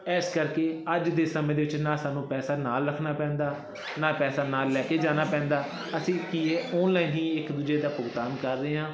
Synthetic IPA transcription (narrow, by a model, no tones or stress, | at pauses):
ɛːskəɾkeːəd͡ʒd̪eːsəmẽːd̪eːʋɪt͡ʃnãːsaːnːũːpɛːsaːnaːlɾəkʰnaːpɛ̃ːnd̪aː | naːpɛːsaːnaːlːɛːkeːd͡ʒaːnaːpɛ̃ːnd̪aː | əsĩːkiːɛːɔːnlaːiːnɦĩːɪkd̪ʊd͡ʒeːd̪aːpʊɡt̪aːnkəɾːeːãː